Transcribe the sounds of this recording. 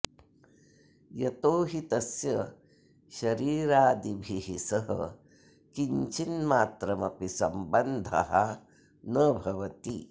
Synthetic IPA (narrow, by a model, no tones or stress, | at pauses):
jɐt̪oːɦit̪ɐsjɐ | ʃɐɾiːɾaːd̪ibʱiɦisɐɦɐ̰ | kiɲt͡ʃinmaːt̪ɾɐmɐpisɐmbɐnd̪ʱɐ̰ɦɐ | nɐbʱɐʋɐt̪i